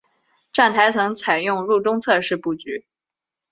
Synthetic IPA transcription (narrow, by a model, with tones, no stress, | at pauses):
ʈ͡ʂa˥˩nt̪ʰa˧˥ɪt͡sʰɤ˧˥ŋt͡sʰa˨˩ɪjʊ˥˧ŋɻu˥˩ʈ͡ʂʊ˥ŋt͡sʰɤ˥˧ʂɻ̩˥˧pu˥˩t͡ɕy˧˥